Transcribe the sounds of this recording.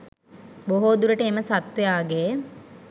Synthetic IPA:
boɦoːd̪uɾəʈəeməsat̪ʋejaːɡe

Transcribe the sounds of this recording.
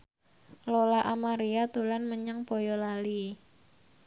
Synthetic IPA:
lolaʔamaɾiat̪ulanməɲaŋb̥o̤jɔlali

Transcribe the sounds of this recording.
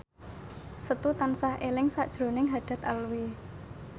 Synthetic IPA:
sət̪ut̪ansahʔelɪŋsaʔd̥ʒ̥ɾo̤nɪŋɦad̪̥ä̤t̪alwi

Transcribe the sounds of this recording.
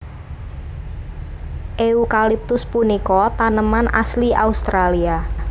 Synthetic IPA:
ʔeukalip̚t̪ʊspunikɔt̪anəmanʔa̰sliʔaust̪ɾalia

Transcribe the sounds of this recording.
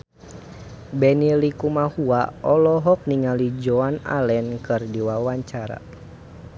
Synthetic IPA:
bɛnilikumahuaɔlɔɦɔk̚niŋalid͡ʒɔana̰lɛnkɨrdiwawaɲt͡ʃaɾa̰

